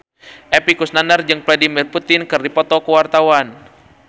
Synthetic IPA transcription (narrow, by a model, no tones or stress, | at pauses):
ʔɛpikusnanərd͡ʒɨŋfladimirput̪ɪnkɨrdipɔt̪ɔkəwart̪awan